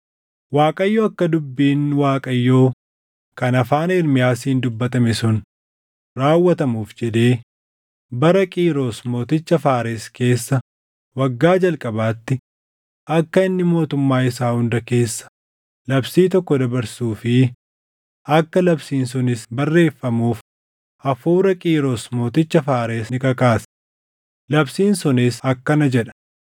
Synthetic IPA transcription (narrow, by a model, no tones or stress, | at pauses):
waːkʼɐjːoːɐkːɐd̪ʊbːiːnwaːkʼɐjːoː | kɐnɐfaːnɪɾmɪjaːsiːnd̪ʊbːɐt̪ɐmɛsʊn | ɾaːwːɐt̪ɐmuːfd͡ʒɛd̪e̞ː | bɐɾɐkʼiːɾo̞ːsmo̞ːt̪ɪt͡ʃːɐfaːɾeske̞ːsːɐ | wɐɡːaːd͡ʒɐlkʼɐbaːt̪ːɪ | ʔɐkːɐɪnːɪmo̞ːt̪ʊmːaːɪsaːhʊnd̪ɐke̞ːsːɐ̥ | lɐbsiːt̪ɔkːɔd̪ɐbɐɾsuːfɪ | ɐkːɐlɐbsiːnsɔnɪsbɐrːe̞ːfːɐmuːf | ɐfuːɾɐkʼiːɾo̞ːsmo̞ːt̪ɪt͡ʃːɐfaːɾeːsnɪkɐkaːs | lɐbsiːnsɔneːsɐkːɐnɐd͡ʒɛᶑɐ̥